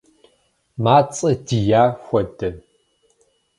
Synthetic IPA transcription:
maːt͡sʼɐdijaːxʷɔdɐ

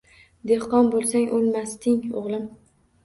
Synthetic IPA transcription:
d̪ehqɒnbolˠsaŋʔolˠmast̪ɪŋo̰ʁlˠɪm

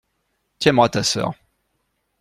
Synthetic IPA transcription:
t̪jɛ̃mwat̪asœ̰ːʁ

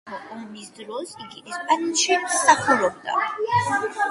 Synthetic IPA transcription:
ɔɔmisd̪ɾɔsiɡiʔɛspʼaniʃisaχʰɛlɔbd̪a̰

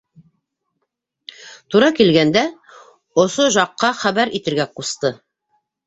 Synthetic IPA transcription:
t̪uɾɑkilɡænd̪æ | ŏsoʒɑqːɑχæβæɾit̪ɘ̆ɾɡæqust̪ɤ

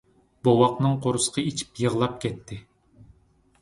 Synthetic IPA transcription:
b̥owɑqnɨŋqʰoɾusə̥qʰɑit͡ʃʰi̥pjəʁlˠɑp̚kʲɛt̪ʰːɪ

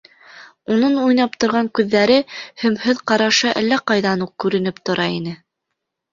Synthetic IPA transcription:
unɤnujnɑp̚t̪ŏɾʁɑŋkʉðːæɾɘhɵ̆mhɵðqɑɾɑʃɤʔæ̰lːæqɑjðɑnuq̚kʉɾɘ̆nɘpt̪ŏɾʔɑinɘ

